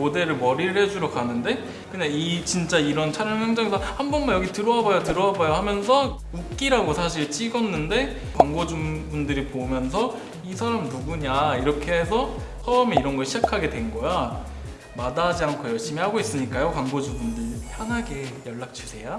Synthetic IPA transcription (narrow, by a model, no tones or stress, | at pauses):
ode̞ɾɯɭmʌɾiɾɯɭhe̞d͡ʑuɾokʰanɯnde̞ | kɯɲait͡ɕint͡ɕ͈aiɾʌnt͡ɕʰaɾjʌnɯnhaŋd͡ʑaŋesʰʌhambʌnmajʌɡitɯɾʌabajotɯɾʌɦabajoɦamjʌns̬ʰʌ | uk̚k͈iɾaɡosʰaɕʰiɭt͡ɕ͈iɡʌnːɯnde̞ | kwaŋɡod͡ʑumbundɯɾipomjʌns̬ʰʌ | isʰaɾamnubuɲaiɾʌkʰeɦe̞sʰʌ | sʰʌʌmeiɾʌnɡʌɭɕʰid͡ʑakʰaɡe̞dwe̞nɡʌja | madad͡ʑiankʰojʌɭɕ͈imihaɡois͈ɯɲik͈ajokwaŋɡod͡ʑumbundɯɭpʰjanɦaɡe̞jʌɭːak̚t͡ɕʰusʰe̞ja